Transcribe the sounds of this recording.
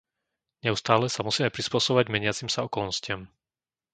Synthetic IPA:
ɲɛust̪aːlɛsamusiːmɛpɾispʊɔsɔbɔʋaɟmɛɲɪat͡simsaɔkɔlnɔscɪam

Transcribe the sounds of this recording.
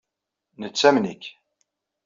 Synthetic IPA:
nət͡sːæmnikː

